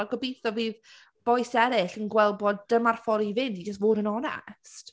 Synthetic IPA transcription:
aɡɔbijθɔviːð | b̥ɔjsɛɾɪɬənɡwɛlˠbɔdd̥əmarfɔlˠivɪndid͡ʒəs̬tvoːdənɔnɛ̰st

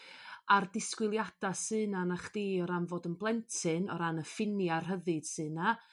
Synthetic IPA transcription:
ardɪskwɪlˠjad̥asɨːnanaχd̥iːɔɾanvoːdənblˠɛntʰɨnɔɾanəfɪnjar̥ɦəðɨd̥sɨːna

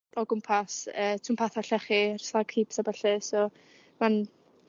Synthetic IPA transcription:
ɔɡʊmpʰasəːtʰʊmpʰaθaɬɛχɪrslakʰiːpsabaɬɨsɔ | man

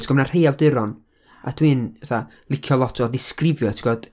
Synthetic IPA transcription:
tʰɡ̥ɔmnar̥hejawdɪɾɔn | a̰d̥winɛθa | lˠɪkʰjɔlˠɔtʰɔðɪskrɪvjɔtʰɡ̥ɔd̥

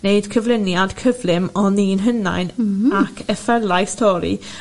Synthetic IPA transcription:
neɨd̥kʰəvlɪnjad̥kʰəvlˠɪmɔniːnɦəna̰jnakʰəfɛlˠajstʰɔɾḭ

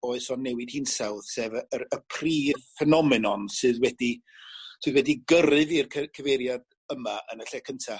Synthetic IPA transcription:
oːɨsɔnːɛwɪd̥hiːnsɛwðsɛːvəəəpʰr̥iːvfɛnɔmɪnɔnsɨːðwɛdi | sɨðwɛdiɡəɾɨvirkʰkʰəveɾjad | əmaʔə̰nəɬɛkʰəntʰa

